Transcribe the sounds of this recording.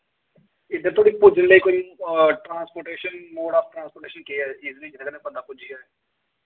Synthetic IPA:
ɪd̪əɾt̪ʰoːɽipʊd͡ʒʱənlekoʈɾãːnspoːʈeːʃənmoːɽaːfʈɾãːnspoːʈeːʃənkeɛiːznĩd͡ʒɪkənẽpənd̪apʊd͡ʒiɦɛː

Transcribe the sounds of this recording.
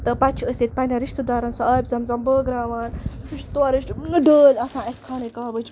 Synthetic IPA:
t̪ɐpɐt͡ʃʰəsʲit̪̚ʲpɐnʲaɾiʃt̪ɨd̪aːɾɐnsɐaːbʲzɐmzɐmbəːɡɾaːʋaːnɾiʃt̪uaɾiʃɖəːlɐsãːeskʰaːnikaːbət͡ʃʰ

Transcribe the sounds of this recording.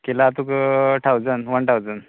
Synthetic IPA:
kelat̪ukəʈʰawd͡zənʋənʈʰawd͡zən

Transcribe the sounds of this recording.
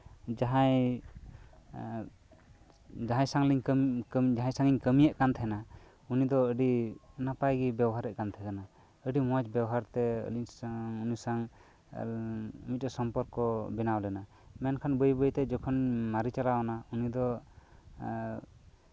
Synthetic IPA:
d͡ʒaɦaj | d͡ʒaɦãjsaŋliɲkkd͡ʒaɦãjsaŋiɲkəmijɛʔkant̪ʰɛna | unid̪ɔəɖinapajɡibɛbɔɦaɾɛʔ̚kant̪ʰɛkana | əɖimɔat͡ʃbɛbɔɦaɾt̪ɛə̰liɲsaŋunisaŋ | umit̪̚ɛsɔmpɔɾkɔbɛnawlɛna | mɛnkʰanbəjbəjt̪ɛd͡ʒɔkʰɔnmaɾit͡ʃalawanaunid̪ɔ

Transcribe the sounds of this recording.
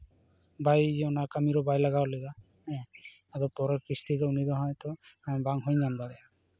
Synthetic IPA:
bajɔnakamiɾɔbajlaɡaleda | ɛ̃ | adɔpɔɾɔkist̪ʰizɔunidɔɦɔjt̪ɔabaŋɦojnamdalɛ

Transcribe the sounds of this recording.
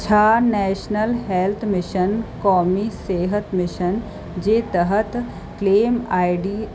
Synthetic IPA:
t͡ʃʰaːnɛːʃnəlɦeːlt̪ʰmɪʃənkɔːmiseːɦət̪mɪʃən | d͡ʒeːt̪əɦət̪ | kleːmaːɪɖiː

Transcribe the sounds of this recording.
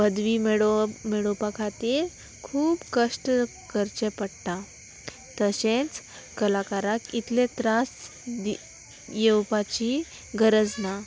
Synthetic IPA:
bəd̪ʋimeɽomeɽɭopakʰat̪e | kʰuːbkəʂʈ | kəɾt͡ɕepəɽt̪a | t̪əɕẽt͡s | kəlakaɾakit̪lẽt̪ɾas | d̪ | jewpat͡ɕi | ɡəɾəd͡zna

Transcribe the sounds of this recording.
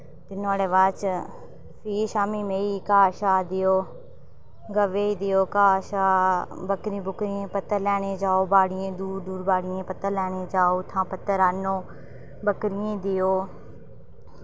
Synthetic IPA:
t̪ɪnõaːɽeːʋaːt͡ʃ | fʰiːʃaːmiːmẽːiːkaːʃaːd̪ɪjoː | ɡəʋeːiːd̪ɪjoːkaːʃaːbəkɾĩːbʱʊkɾɪẽːpət̪əɾlɛːɽ̃eːd͡ʒaːoːbaːɽɪẽːd̪uːɾd̪uːɾbaːɽɪjẽːpət̪əɾlɛːɽ̃eːd͡ʒaːoːt̪ʰãːpət̪əɾaːnoː | bəkɾiẽd̪ɪjoː

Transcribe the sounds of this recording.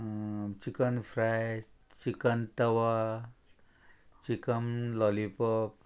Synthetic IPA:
t͡ʃikənfʰɾaj | t͡ʃikənt̪ɐwa | t͡ʃikəmlɔlipɔp

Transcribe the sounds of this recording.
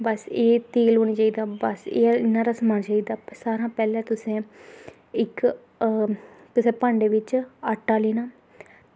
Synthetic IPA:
bəseːt̪eːlɦoːniːt͡ʃaːiːd̪aːbəsḛːɪnːãːɾaːsmaːnt͡ʃaːiːd̪aːsaːɾãːpɛːlɛ̃ːt̪ʊsẽː | ɪk | t̪ʊsẽːpãːɳɖeːʋɪt͡ʃəʈːaːleːnaː

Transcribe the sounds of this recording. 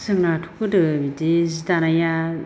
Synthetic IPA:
sɯŋnatʰu̥kɯdɯbidizitanaja

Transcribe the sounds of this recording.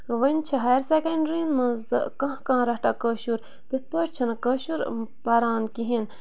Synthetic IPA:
ʋɐnʲt͡ʃʰiɦɐjɾsekɐɳɖɾinmɐzd̪ɨ̰kɐ̃ɦkãːɾɐɦʈɐkəʃuɾ | t̪it̪̚ʰpəʈʲt͡ʃʰɐnkɐʃuɾpɐɾaːnkiɦin

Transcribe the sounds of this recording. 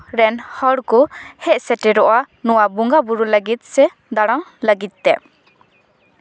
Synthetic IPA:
ɾɛnhɔɽkɔhɛʔ̚sɛʈɛɾɔʔa | nɔwabuŋɡabuɾuləɡit̪̚ˀsɛ | d̪aɽɔŋləɡit̪̚ˀːɛ̰

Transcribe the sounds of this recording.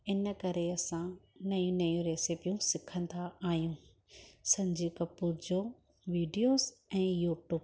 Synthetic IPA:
ɪn̆kɐɾeɐsãnɐjũnɐjũɾeːsɪpijũsɪkʰə̃nd̪aaːɦijũː | sɐ̃ɲd͡ʑiːkɐpuːɾd͡ʑoː | ʋiːɖijoːzɛ̃ːjuːʈjuːb

